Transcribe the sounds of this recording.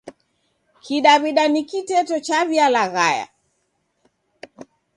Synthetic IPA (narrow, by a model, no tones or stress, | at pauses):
kʰiɗaβiɗanikitɛtɔt͡ʃaβialaɣaja̰